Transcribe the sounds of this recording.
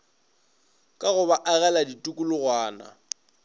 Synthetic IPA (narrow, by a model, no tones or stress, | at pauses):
kʼaɣʊbaʔaɣɛladitʼukʼʊlʊɣwaːna̰